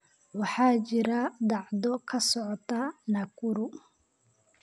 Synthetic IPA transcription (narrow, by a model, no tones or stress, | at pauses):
wɑħɑːt͡ʃɪɾɐd̪ɑʕd̪ɔkʰɐsɔʕɔt̪ʰɐnɐkʰʊɾʊ